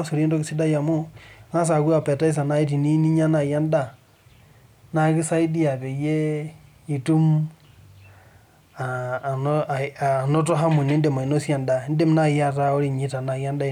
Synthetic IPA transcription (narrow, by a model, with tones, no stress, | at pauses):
a˦su˨ɾi˦ndo˦ki˨si˦da˦ja˨mo˦na˦s̬a˨ku˦a˨pe˨ta˦i˦s̬a˨na˦i˦t̬i˨ni˦ni˦ɲa˦na˨ja˦nda˦˨ | na˦ki˦sa˦i˦di˦a˨te˨je˦ | ji˨tu˦m | a˨n˦˨no˦to˦ɦa˦mu˨ni˦n˦de˨ma˨i˨no˦sja˨nda˨˦n̩˦de˦mna˦˨ja˦ta˦o˦ɾi˦˨ɲi˦ta˨na˨ja˦nda˦˨